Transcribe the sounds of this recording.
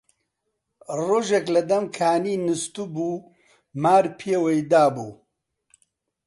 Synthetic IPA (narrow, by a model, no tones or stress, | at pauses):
roːʒeklɐd̪ɐmkʰaːniːnɨst̪ubuː | maːɾpʰeːwejd̪aːbuː